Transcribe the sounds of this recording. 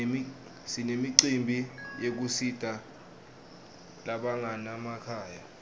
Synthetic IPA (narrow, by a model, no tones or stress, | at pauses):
sinemiǀimbʱijek̬usid̥ʱʼa | laɓaŋʱanamakʰaːja